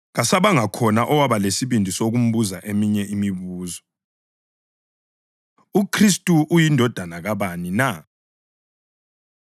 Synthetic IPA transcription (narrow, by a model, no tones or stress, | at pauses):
ɣasaβaŋakʰɔnaʔɔwaβalesiβindʱisoɣum̩βuzaʔemiɲɛʔimiβuːzɔ | ukʰristʼuʔːjindʱɔd̥ʱanaɣaβanina